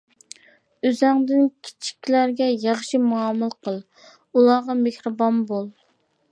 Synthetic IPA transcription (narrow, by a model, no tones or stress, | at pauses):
øzæŋd̪ɪnkʲʰi̥t͡ʃʰi̥kʲːlæɾɡʲɛjɑχʃimuɑmɨlˠqʰəlˠ | ulˠɑːʁɑmehɾɨbɑnbolˠ